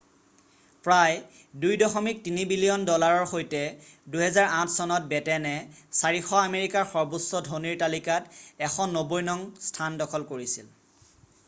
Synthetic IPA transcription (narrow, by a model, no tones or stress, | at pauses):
pɹaj | dujdɔxɔmik̚tinibilijɔndɔlaɹɔɹxojtɛduɦɛzaɹãtʰsɔnɔt̚bɛtɛnɛsaɹixɔameɹikaɹxɔɹbusːɔdʱoniɹtalikatɛxʰɔnːobojnɔŋstʰandɔkʰɔlkoɹisil